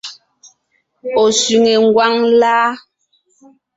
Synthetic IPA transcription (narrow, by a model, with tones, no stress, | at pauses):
ɔ˨sy˨ŋe˨ŋ̩˦ɡwa˦ŋlaː˦